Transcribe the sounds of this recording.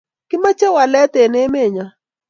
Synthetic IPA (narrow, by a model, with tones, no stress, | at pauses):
kɪ˦ma˦t͡ʃe˦wa˨lɛ˦t̪e˨ne˦me˦˨ɲa˨